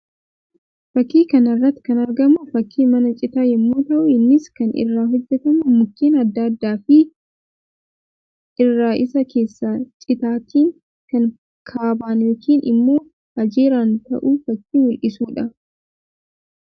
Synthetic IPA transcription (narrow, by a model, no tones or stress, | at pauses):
fɐkːiːkɐnɐrːɐt̪ːɪ̥kɐnɐɾɡɐmʊfɐkːiːmɐnɐt͡ʃʼɪt̪aːjɛmːuːt̪ɐʔʊɪnːɪskɐnɪ̰rːaːɦɔd͡ʒːɛt̪ɐmʊmʊkːiːnɐd̪ːaːd̪ːaːfɪ | ɪrːaːʔɪsɐke̞ːsːaːt͡ʃʼɪt̪aːt̪iːŋ | kɐŋ | kʰaːbaːnjoːkʰiːnʔɪ̰mːo̞ː | ɐd͡ʒeːɾaːnt̪ɐ̰ʔuːfɐkːiːwʊlʔɪsuːᶑɐ